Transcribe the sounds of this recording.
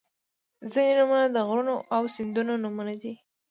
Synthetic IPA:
zinenʊmənad̪əɣɾunoʔawsɪnd̪unonʊmanad̪i

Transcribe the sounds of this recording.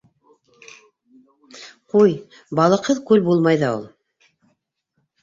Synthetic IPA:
quj | bɑlˠɤ̆qhɤðkʉlbulˠmɑjðɑulˠ

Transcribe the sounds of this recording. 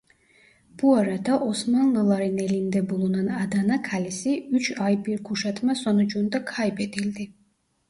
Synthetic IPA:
b̥uaɾad̪aʔosmanlˠɯlˠɑɾɯnelind̪ɛbulˠunɑnad̪anakʰalisiyt͡ʃʰɑjbiɾkʰuʃɑt̪mɑsonud͡ʒund̪ɑkʰajbed̪ild̪i

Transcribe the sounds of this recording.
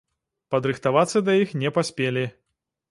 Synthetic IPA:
pɐd̪ɾɨxt̪avat̪sːɐd̪ɐjixnʲɛpasʲpʲelʲi

